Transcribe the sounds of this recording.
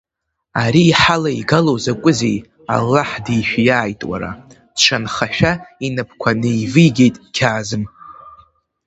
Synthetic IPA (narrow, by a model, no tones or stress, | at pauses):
aɾiːħalaiɡalowzakʷʼʊzej | a̰lːaħdijʃᶣjaːjtʼwa̰ɾa̰ | t͡ʃʷʰanχaʃᶣainɨpʰkʷʰanɨjvɨjɡʲe̞jtʼkʲʰaːzɨm